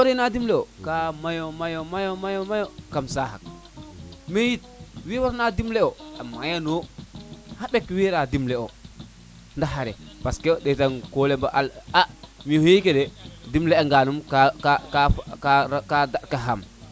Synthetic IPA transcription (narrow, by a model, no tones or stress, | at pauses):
woɾenadimleokamajomajomajomajomajokamsaɦa̰k̚ | mejit̚wiwaɾnadimleoa̰mːajano | habekwiɾadimleo | ndaɦaɾḛ | paskedetankolembaʔalamihojikededimleaŋɡanumkakakakaɾkadaɗkaɦam